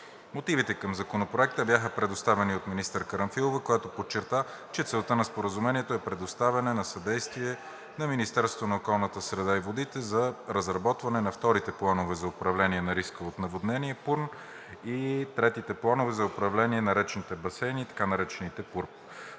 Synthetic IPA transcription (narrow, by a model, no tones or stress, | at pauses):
mot̪ivit̪ɛkəmzɐkonopɾoɛk̚t̪əbjaxəpɾɛd̪ost̪avɛniot̪minist̪əɾkəɾɐmfilˠovəkojat̪opot͡ʃːɛɾt̪at͡ʃɛt̪sɛlˠt̪ənɐspoɾəzumɛniɛt̪oɛpɾɛd̪ost̪avɛnɛnɐsɐd̪ɛjst̪viɛ | nɐminist̪ɛɾst̪vonɐokɔlˠnət̪əsɾɛd̪aivod̪it̪ɛzɐɾəzɾɐbɔt̪vɐnɛnɐft̪ɔɾit̪ɛplˠanovɛzɐopɾɐvlɛniɛnɐɾiskəot̪nɐvod̪nɛniɛpuɾn | it̪ɾɛt̪it̪ɛplˠanovɛzɐopɾɐvlɛniɛnɐɾɛt͡ʃɛnit̪ɛbɐsɛniːt̪ɐ̥kanɐɾɛt͡ʃɛnit̪ɛpuɾp